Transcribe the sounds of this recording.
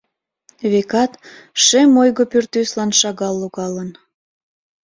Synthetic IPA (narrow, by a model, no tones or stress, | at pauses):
βekɑt̪ʃemojɣopyrt̪yslɑnʃɑɣɑlːoɣɑlən